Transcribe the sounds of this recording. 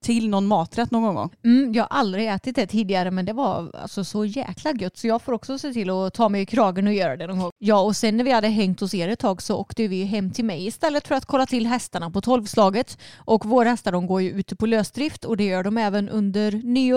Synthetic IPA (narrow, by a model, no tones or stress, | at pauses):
t̪ʰɪlnɔnmɑːt̪ɾɛt̪ːnoːɡɔnɡɔ̰ŋːm̩ːjɑːaʔald̪ɾɪɛːt̪ɪt̪̚d̪ɛt̪ʰiːd̪ɪɡaɾəmɛnd̪ɛvaa̰lsɔsɔjɛ̰ːkʰlaɡœt̪ːsɔjɑːɡfoːɾɔksɔseːt̪ʰɪlːɔt̪ʰɑːmɛjɪkʰɾɑːɡənɔjœːɾad̪ɛnɔnɡɔŋjɑːɔsɛnːæɾvɪhad̪ːəɦɛŋt̪ɔseːɾɛt̪ʰːɑːɡsɔo̰ːkt̪əvɪɦɛmːt̪ʰɪlmɛjɪst̪ɛlːət̪fœɾat̪kʰɔlːat̪ʰɪlːɦɛst̪aɳapɔt̪ʰɔlvslɑːɡət̪ʔɔkvoːɾhɛst̪ad̪ɔŋɡoːɾjɵʉ̟ːt̪əpʰɔløːsd̪ɾɪft̪ʰɔd̪ɛjœːɖɔmɛːvənʔɵ̰nd̪əɾnyː